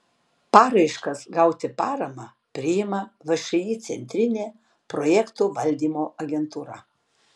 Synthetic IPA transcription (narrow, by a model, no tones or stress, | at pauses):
pɑːɾɐɪʃkɐsɡɐʊt̪ʲɪpɑːɾɐmɑ | pʲɾʲɪjɪmɐʋɐʃɐjiːt̪sʲɛ̰nʲt̪ʲɾʲɪnʲeː | pɾɔjɛkt̪uːʋɐlʲd̪ʲiːmoːʔɐɡʲɛnt̪uːɾɐ